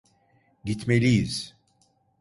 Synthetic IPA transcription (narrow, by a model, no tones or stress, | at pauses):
ɟit̪melʲijiz̥